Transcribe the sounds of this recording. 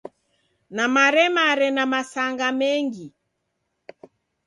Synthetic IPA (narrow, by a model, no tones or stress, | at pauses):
namaɾɛmaɾɛnamasaŋɡamɛŋɡi